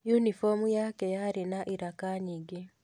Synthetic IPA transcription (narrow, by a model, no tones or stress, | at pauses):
junifomujaːkejaɾinaʔiɾakaːɲiɡi